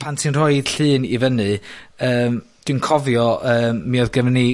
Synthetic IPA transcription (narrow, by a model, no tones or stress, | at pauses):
pʰantʰinr̥oɨd̥ɬɨːnivənɨəːmd̥wɨnkʰɔvjɔʔəːmːiɔðɡəvni